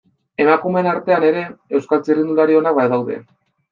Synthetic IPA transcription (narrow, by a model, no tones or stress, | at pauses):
e̞makume̞naɾt̪e̞ane̞ɾe̞e̞wskalt͡sirinuld̪aɾio̞nak̚bajðawðe̞̰